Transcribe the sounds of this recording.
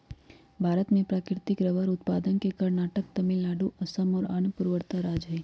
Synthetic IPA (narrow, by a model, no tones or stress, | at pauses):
bʱaɾət̪mẽpɾakɾt̪ɪkɾəʋəɾʊt̪pad̪ənkekəɾnaʈək̚t̪əmilːaɖuəsəmoɾanpuɾʋəɾt̪aɾad͡ʒɦəj